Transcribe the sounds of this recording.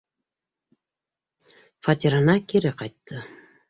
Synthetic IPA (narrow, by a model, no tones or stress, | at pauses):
fat̪ʲiɾɤnɑkiɾɘqɑjt̪ːɤ